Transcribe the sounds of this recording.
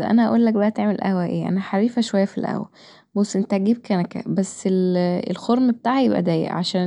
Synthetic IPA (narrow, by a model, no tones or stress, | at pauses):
ʔæ̰næʔæ̰ʔuːlːæk̚bebæʔæt̪eʕmelʔæ̰hwæʔeːʔæ̰næħaɾiːfæʃowæjːæfilʔæ̰wæ̰ | bosʔent̪æʔɡiːb̚kænækæ̰bæsːelḛlxoɾˤmbet̪aːʕjebʔæ̰d̪æːjḛʔʕaʃæː